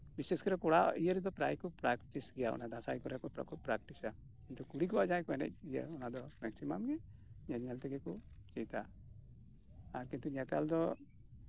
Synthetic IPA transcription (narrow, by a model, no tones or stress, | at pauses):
biseskɔɾɛkɔɽaijəɾɛd̪ɔpɾa̰jkɔpɾakʈisɡɛjaɔ̰nad̪asajkɔɾɛkɔpɾɔ̰kut̪̚pɾak̚ʈisa | kint̪ukuɽikɔad͡ʒãjkɔɛnɛ̰c̚ijə̰ɔnad̪ɔmɛksimamɡɛɲɛɲɛlt̪ɛɡɛkɔt͡ʃɛjt̪a | aɾkint̪uɲɛt̪ald̪ɔ